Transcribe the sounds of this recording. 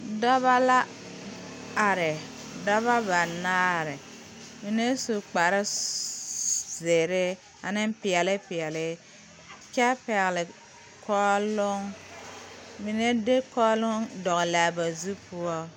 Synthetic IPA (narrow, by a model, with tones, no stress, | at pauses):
da˦βa˦la˦ | a˨ɾɪ˨ | da˦βa˦ba˨naː˦ɾɪ˨ | mi˨ne˦su˨k͡pa˨ɾɪ˦ | ze˨ɾɪ˦ | a˨nɪ˦m˦pɪ˨ɛ˨lɪ˦pɪ˨ɛ˨lɪ˦ | kɛ˦pɛ˨ɣlɪ˨ | kʰɔ˦lʊ˦ŋ | mi˨ne˦de˦kɔː˦lʊ˦ŋdɔ˨ɣɪ˨la˨ba˨zu˦pʊ˦ɔ˦